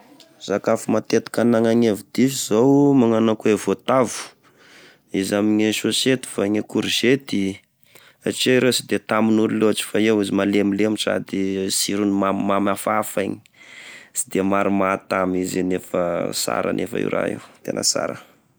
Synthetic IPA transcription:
z̥akafumat̪et̪i̥kanaŋaɲevud̪ifizowmaŋanakuevot̪avu̥ | izamiɲiʃoset̪i̥faɲekuɾiz̥et̪i | aʈ͡ʂeɾesid̪et̪aminuɾiloaʈ͡ʂi̥faewizimalemileamisa̰d̪isiɾunimamamafafaɲi̥ | si̥d̪emaɾumat̪amizinefəsa̰ɾə̰nʔḛfə̰ḭɾa̰ɦḛwt̪ḛnə̰sa̰ɾə̰

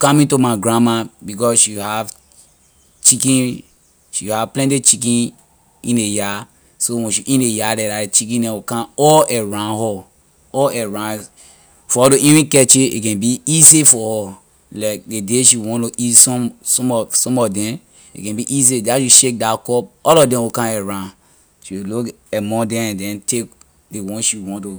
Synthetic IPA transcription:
kɔ̃mĩtomaɡɹãmabikɔsʃihav | t͡ʃikĩn | ʃihavplɛ̃ntit͡ʃik̬ĩn | ĩneja | sowɛ̃ʃiʔĩnejadɛ̃daet͡ʃik̬ĩndɛ̃wukãɔɛɹãhɔ | ɔɛɹã | fɔɔɾoʔĩɹĩkɛt͡ʃeḛkɛ̃nbiisefɔhɔ | lak̚dedeʃiwɔ̃ntoʔisɔ̃msɔ̃mɔsɔ̃mɔdɛ̃n | ḛkɛ̃biʔis̬edaʃuʃek̚dakɔp̚ɔlɔdɛ̃wokãɛɹãn | ʃiluk | ɛmɔ̃dɛ̃dɛ̃ntek̚ | dewɔ̃nʃuwɔ̃nto

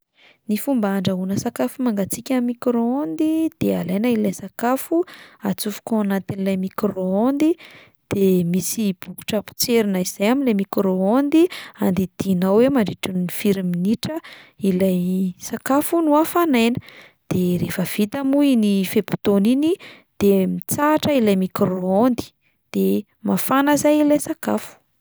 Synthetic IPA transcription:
nifumbaaɳɖ͡ʐaɦunəsakafumaŋɡat͡sikʲamikɾoond̪id̪̥ealajnailajsakafuat͡sufu̥koanat̪inilajmikroond̪i | d̪̥emisib̥uku̥ʈ͡ʂapu̥t͡seɾinaizajamilemikɾoond̪iand̪id̪̥inawemaɳɖ͡ʐiʈ͡ʂinifiɾiminiʈ͡ʂəilajsakafunuafanajnə̥ | d̪̥eɾefəv̥it̪amuinifepu̥t̪onini | d̪̥emit͡saʈ͡ʂəilajmikɾoond̪i̥ | d̪̥e | mafanəzajilajsakafu̥

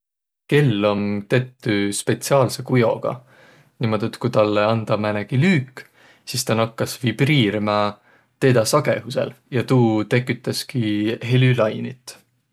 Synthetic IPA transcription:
ke̞lːo̞mt̪e̞t̪ːyspe̞t̪siɑːlse̞kujo̞̰ɡ̥ɑ̰ | nimo̞d̪̥et̪kut̪ɑlːeɑnd̪̥ɑmæneɡ̥ilyːkːˑ | sist̪ɑnɑkːɑsvib̥riːɾimɑ | t̪e̞ːd̪ɑsɑɡ̥e̞̰ɦuse̞̰ljɑt̪uːt̪e̞kːˑyt̪ːˑɑskiɦe̞lylɑjnit̪ːˑ

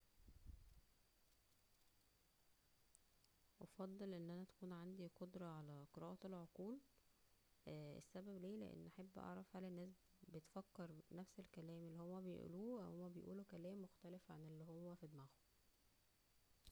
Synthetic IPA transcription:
ʔɑfɑd̪ˤːelʔenːʔænæt̪æ̥kuːnʕand̪iqod̪ɾˤɑʕalæqeɾˤɑːʔɑelʕoquːl | ʔḛsːæbæbleːlḛʔḛnːʔæħabːʔɑ̰ʕɾˤɑfhælenːæːs̬ | bet̪fækːeɾˤnæfselkælæːmelːihomːæbej̰ʔṵluːæwhomːæbejʔṵːloːkælæːmːoxt̪ælefʕa̰nelːihomːæfid̪maɣo

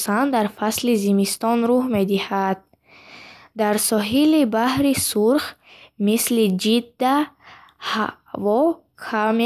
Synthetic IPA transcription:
sand̪aɾfaslizimist̪ɔnɾuhme̞d̪ihad̪̥̚ | d̪aɾsɔɦilibahɾisuɾχ | mislid͡ʒid̪ːa | ha | vɔ | kʰame

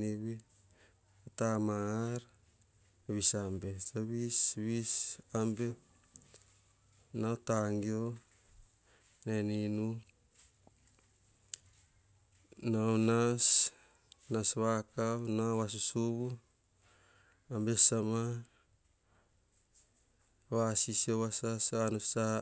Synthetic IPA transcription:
iβi | tamaaɾ | βisambesaβisβisambe | naot̪aŋɡio | neninu | nawnas | nasβakawnawas̬usuβu | ambesama | βasisioβasasanusa

